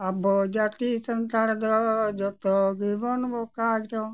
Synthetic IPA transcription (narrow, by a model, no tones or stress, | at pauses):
abɔd͡ʒat̪isənt̪aɾd̪ɔd͡ʒɔt̪ɔɡibɔnbɔkatɔ